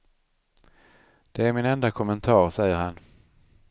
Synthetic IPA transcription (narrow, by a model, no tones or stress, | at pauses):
d̪̥ɛæɾmɪnɛnd̪akʰɔmɛnt̪ʰɑːɾsɛjːəɾhan